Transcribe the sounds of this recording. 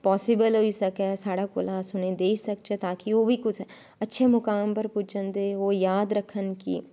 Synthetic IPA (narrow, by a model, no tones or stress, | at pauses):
pɔːsɪbəlɦoisɐkesaːɽakʊlasʊned̪eːisɐkt͡ʃɛt̪aːkiʋoːbʱikʊt͡ʃʰɦɛ | ɐtːʃʰemʊkaːmpɐɾput͡ʃənd̪eʋoːjaːd̪ɾɐkʰənkḭ